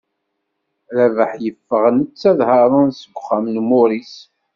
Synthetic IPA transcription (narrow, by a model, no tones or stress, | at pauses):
ɾævəħjəfːəʁənət͡sːæðhɑɾˤənsəɡʷχæmnmʊɾis